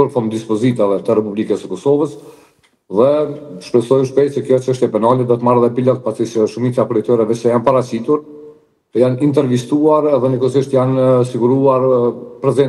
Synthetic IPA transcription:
uɾfɔnd̪ispɔzit̪avɛt̪ərɛpublikəsəkɔsɔvəs | ðɛʃpɾɛsɔjuʃpɛjt̪sɛkjɔt͡ʃəʃt̪ɛpɛnalɛd̪ɔt̪maɾɛðɛpilɔt̪̚pasisəʃumit͡sapɾɛt̪ɛɾɛvɛsɛjanpaɾat͡ɕit̪uɾ | janint̪ɛɾvist̪uaɾɛðɛnəkɔsiʃt̪jansiɡuɾuaɾpɾɛzɛn

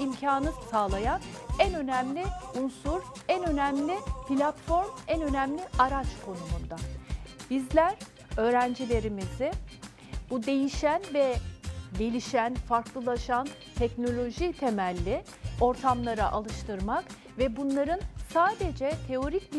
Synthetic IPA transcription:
imcʰaːnɯsaːlˠajanænø̞næmlʲiunsuɾænø̞næmlʲɪpʰilʲat̪fo̞ɾmænø̞næmlʲiʔaɾat͡ʃkʰo̞numund̪ab̥izlʲæɾ | ø̞ːɾænd͡ʒilʲe̞ɾimizɪ | b̥ud̪e̞jiʃænvɛɟe̞lʲiʃænfaɾklˠɯlˠaʃan | t̪ʰɛcno̞lʲo̞ʒit̪ʰe̞mælʲːɪ | o̞ɾt̪ʰamlˠaɾaʔalˠɯʃt̪ɯɾmak | vɛbunlˠaɾɯnsaːd̪e̞d͡ʒɛt̪ʰe̞o̞ɾicb

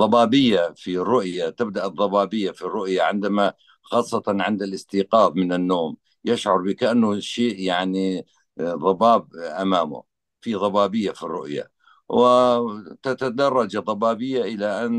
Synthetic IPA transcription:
ðˤɑbɑːbɪjːafirːʊʔjat̪ɪb̚d̪aʔɨðˤːɑbɑːbɪjːafirːʊʔjaʕɪnd̪ama | xɑːsˤːɑt̪ɑnʕɪnd̪alɪst̪iːqɑːbmɪnɪnːoːm | jɪʃʕʊɾˤbɪkaʔanːʊʃeːʔjaʕni | ðˤɑbɑːb̚ʔamaːmʊ̰ | fiðˤɑbɑːbɪjːafirːʊʔja̰ | wɪt̪at̪ad̪ɑrˤːɑd͡ʒðˤɑbɑːbɪjːaʔɪlaʔan

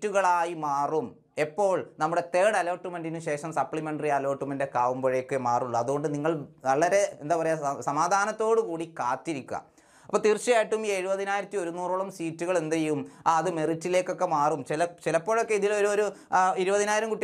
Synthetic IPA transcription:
tːuɣɐɭaːjimaːrum | e̞pːo̞ːɭnɐmːuɽe̞t̪e̞ːɽɐloːʈːumɐndinɨɕe̞ːʂɐmsɐpːɭimeɳɖɐriɐlo̞ːʈːumɐndekaːʋumboɻejokːemaːruɭːuɐðuɣo̞ɳɖɨniŋːɐɭnɐɭːɐɾe̞end̪aːpɐrɐjasɐmaːd̪ʱaːnɐt̪ːo̞ːɽɨkuːɽikaːtːiɾikʲːuɐ̰ | ɐpːoːt̪iːrt͡ɕːɐjaːjiʈːumːeɻubɐðinaːjiɾɐt̪ːio̞ɾunuːrɐɭɐmsiːtːuɣɐɭend̪ejumaɐðɨmeritːile̞ːkːo̞kːe̞maːrumt͡ɕelɐt͡ɕilɐpːo̞ːɭo̞kːeiðiloɾoɾuiɾubɐðinaːjiɾɐmkuʈːi

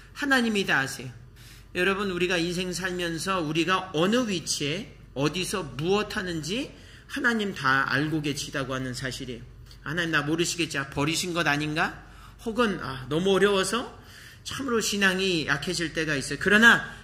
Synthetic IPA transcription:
hanaɲimidaːsʰe̞jo | jʌɾʌbɯnuɾiɡains̬ʰe̞ŋsʰaɭmjʌnsʰʌuɾiɡaʌnɯɥit͡ɕʰie̞ | ʌdisʰʌmuʌtʰanɯnd͡ʑi | hanaɲimtaa̰ɭɡoɡe̞t͡ɕʰidaɡohanɯnsʰaɕʰiɾejo | hanaɲimnamoɾɯɕʰiɡe̞t̚t͡ɕ͈apʌɾiɕʰinɡʌdaɲinɡa | hoɡɯna̰nʌmuʌɾjʌwʌsʰʌ | t͡ɕʰamɯɾoɕʰinaŋija̰kʰed͡ʑʰiɭt͈e̞ɡais͈ʌjokɯɾʌna

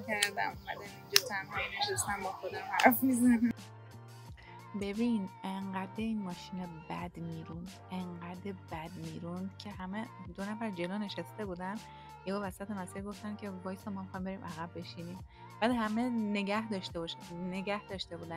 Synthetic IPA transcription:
kʰæɾd̪æ̰momæd̪ænind͡ʒɔt̪ʰænhɒneʃæst̪æmbɒxod̪æmæɾfizæn | be̞bineŋɢæd̪eiːnmɒːʃiːnebæd̪miːɾund̪eɴɡæd̪ebæd̪miːɾund̪̥cʰe̞hæmed̪o̞næfæɾd͡ʒe̞loːne̞ʃæst̪e̞buːd̪æn | jebɒːvæsæt̪ʰemæsiɾɡo̞ft̪ænkʰe̞bɒːjsɒmːɒːmixɒjimbe̞ɾiːmʔæɣæbːe̞ʃiːniːm | b̥æːd̪hæme̞ne̞ɟæhd̪ɒːʃt̪ebɒʃneɟæhd̪ɒːʃt̪e̞buːd̪æn

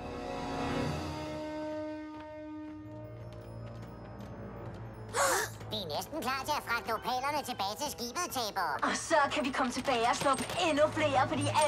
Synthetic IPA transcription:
diænesd̥n̩kʰlɑ̰̈ːt͡sʰe̝æfʁɑ̈ɡ̥̚d̥o̰pʰɛ̰ːlɐnət͡sʰe̝b̥ɛːt͡sʰe̝sɡ̥ḭːb̥ət͡sʰɛːb̥ɐɒ̽sɒkʰæʋikʰɒ̽mət͡sʰe̝b̥ɛːɪɒslɒ̽ɡ̥əenufle̝̰ːɐfɒd̥ḭːʔæ

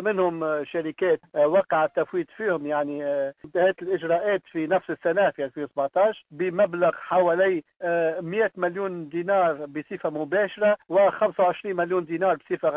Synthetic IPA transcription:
mɪnhʊmʃæɾɪkɛːt̪wɑːqɑʕat̪ːæfwiːd̪fiːhʊmjaʕnimt̪ahɛːt̪ɪlʔɪʒɾˤɑːʔɛːt̪finæfsəsːænæfiʔælfiːnwsbʕt̪ˤɑːʃbəmæblaɣħawɛːliːmjæːt̪mɪljuːnd̪inɑːɾˤbəsˤiːfamʊbɛːʃɾˤɑwɪxamsawʕɪʃɾiːnmɪljuːnd̪iːnɑːɾˤbsˤiːfa

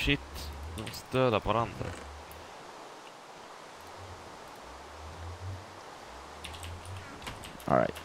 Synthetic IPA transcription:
ʂɪt̪ːd̪ɪmɔst̪d̪øːd̪apʰɔvaɾand̪ɾa̰ | ɔ̰a̰ɪt̪

